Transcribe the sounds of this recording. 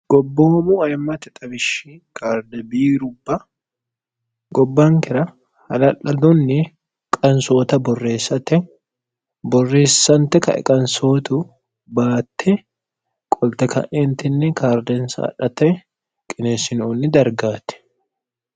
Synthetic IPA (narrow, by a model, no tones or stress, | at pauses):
ɡ̥ɔbːoːmʊɐjmːɐt̪ɪt̪ʼɐbɪʃikʰaːɾd̪ɛbiːɾʊbːɐ | ɡɔbːɐŋkɪɾɐ | hɐlɐlɐd̪ʊnːɪ | kʼɐnsoːt̪ɐbɔrːe̞ːsːɐt̪ɛ | bɔrːe̞ːsːɐnt̪ɛkɐ̰ɛ̰kʼɐnsoːt̪ʊ | baːt̪ʰːɛ | kʼɔlt̪ɛkɐ̰ʔɛnt̪ɪnːɛkaːɾd̪ɛnsɐ̰ʔːᶑɐt̪ɛ | kʼɪneːsɪnonːɪd̪ɐɾɡaːt̪ɛ̥